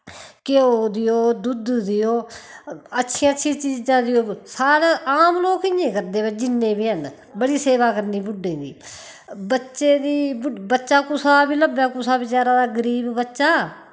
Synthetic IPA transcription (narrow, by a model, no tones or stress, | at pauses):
kɪooːd̪ɪjoːd̪ʊd̪d̪ɪjoː | ətːʃʰiãːətːʃʰĩːt͡ʃiːd͡ʒãːd̪ɪjoːsaːɾaːʔaːmloːkɪjẽːkəɾd̪eːbəd͡ʒɪnːẽːbiːɦən | bəɽiːseːʋaːkəɾniːbʊɖːeːd̪ḭː | bətːʃeːd̪iːbʊbətːʃaːkʊsaːbiːləbaːkʊsaːbɪt͡ʃaːɾãːd̪aːɡəɾiːbbətːʃaː